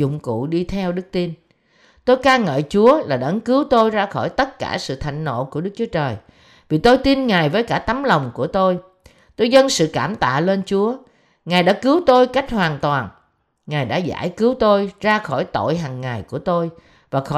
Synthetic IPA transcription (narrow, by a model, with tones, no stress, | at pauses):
ʊ̰˧˨ŋ͡mkṵ˧˨ɗi˧t̪ʰɛ˧wɗɨ˦˥k̚t̪i˧n | t̪o˧jkaː˧ŋə̰ː˧˨t͡ɕu˨˦əlaː˨˩ɗə˨˧˦nkɨ˨˦wt̪o˧jzaː˧xɔ˧˩jt̪ə˦˥t̚kaː˧˩sɨ̰˧˨t̪ʰa̰˧˨jŋ̟no̰˧˨ku˧˩əɗɨ˦˥k̚t͡ɕu˨˦ət͡ɕəː˨˩j | vi˨˩t̪o˧jt̪i˧nŋaː˨˩jvəː˨˦jkaː˧˩t̪a˨˦mlə˨˩wŋ͡mku˧˩ət̪o˧j | t̪o˧jzə˧nsɨ̰˧˨kaː˧˩mt̪a̰ː˧˨le˧nt͡ɕu˨˦ə | ŋaː˨˩jɗa̰ː˧˥kɨ˨˦əwt̪o˧jka˦˥jk̟̚hwaː˨˩nt̪waː˨˩n | ŋaː˨˩jɗa̰ː˧˥za̰ː˧˩jkɨ˨˦wt̪o˧jzaː˧xɔ˧˩jt̪o̰˧˨jɦaː˨˩ŋːa˨˩jku˧˩ət̪o˧j | vaː˨˩xɔ˧˩